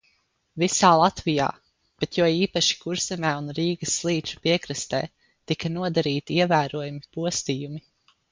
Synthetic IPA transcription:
visaːlˠat̪vija̰ː | b̥et̪jɔːiːpaʃi̥kuɾsɛmɛːunɾiːɡɐsːlˠiːt͡ʃu̥piɛkɾɨst̪ɛ̰ː | t̪ikɐnuɔd̪aɾiːt̪iiɛvæːɾuɔjumipuɔst̪iːjumi

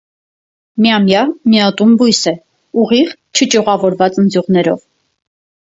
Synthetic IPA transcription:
miɑmjɑmiɑt̪umbujsɛ | uʁiʁt͡ʃʰət͡ʃuʁɑvɔɾvɑt͡sənd͡zjuʁnɛɾɔ̰v

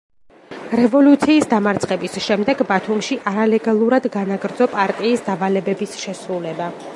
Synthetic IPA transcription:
ɾɛvɔlut̪sʰiːsd̪amaɾt̪sʼχʼɛbisʃɛmd̪ɛɡbat̪ʰumʃiʔaɾalɛɡalˠuɾad̪ɡanaɡɾd̪zɔpʼaɾt̪ʼiːsd̪avalɛbɛbisʃɛsɾulɛba

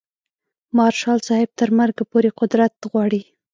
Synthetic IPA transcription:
mɑɾʃɑlsɑhɪb̚t̪əɾmaɾɡapoɾeqʊd̪ɾat̪ɣwɑɽi

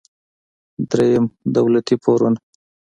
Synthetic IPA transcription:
d̪ɾejəmd̪awlat̪ipʰaɾun

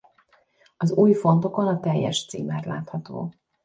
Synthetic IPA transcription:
ɒzuːjfo̞nt̪o̞konɒt̪ɛjːɛ̰ʃt̪sḭːmɛːrla̰ːt̪hɒt̪o̰ː

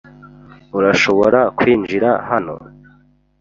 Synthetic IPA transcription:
uɾaʃoβoɾakwiːnd͡ʒiɾahano̞̰

